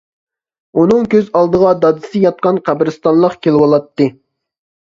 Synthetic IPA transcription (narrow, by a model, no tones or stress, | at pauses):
unɨŋkʲʰøzɑlˠd̪əʁɑd̪ɑd̪ɨsɨjɑt̪̚qɑnqʰæbɾɨst̪ɑnlˠəqkʲelɪwɑlˠɑt̪ːɨ